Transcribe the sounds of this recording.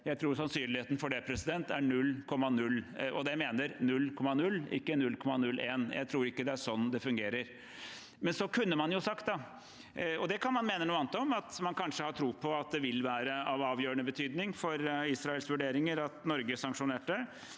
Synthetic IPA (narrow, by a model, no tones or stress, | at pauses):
jæɪt̪ʰɾuːɾsɑnsyːnlɪheːt̪ən̩fɔɖɛpʰɾɛsɪd̪ɛnt̪æɾɳʉlːkʰɔmːɑnʉlːʔɔd̪ɛmeːnəɾnʉlːkʰɔmːɑnʉlːɪ̰kːənʉlkʰɔmːɑnʉlːʔeːnjʔæ̰ɪt̪ʰɾuːɾɪkːəd̪ɛæʂɔnːd̪ɛfʉŋɡeːɾəɾ | mɛnsɔkʰʉnːəmɑnjʊsɑkt̪̚d̪ɑ | ɔd̪ɛkʰɑnmɑnmeːnənuːɑnət̪ɔmɑt̪mɑnkʰɑnʂəhɑʈ̪ʰɾuːpʰɔɑt̪̚d̪ɛʋɪlʋæːɾəɑʋɑːʋjøːɾəɳəbət̪ʰyːd̪nɪŋfɔɾisɾɑɛlsʋʉɖeːɾɪŋəɾɑt̪nɔɾɡəsɑŋkʂʊneːʈ̚ːɛ